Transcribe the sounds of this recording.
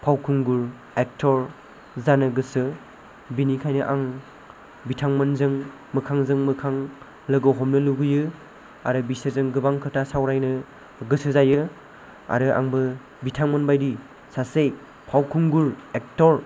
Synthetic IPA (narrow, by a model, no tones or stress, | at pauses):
pʰawkʰuŋɡuɾ | ek̚tʰɔɾ | zanɯɡɯsɯ | binikʰajnɯʔaŋ | bitʰaŋmɐnzɯŋ | mɯkʰaŋzɯŋmɯkʰaŋ | lɯɡɔwɦɔmnɯluɡɯjɯ | a̰ɾɯbisezɯŋɡɯbaŋkʰɯtʰasawɾajnɯ | ɡɯsɯzajɯ | a̰ɾɯʔa̰ŋbɯ | bitʰaŋmɐnbajdi | sasej | pʰawkʰuŋɡuɾek̚tɔɾ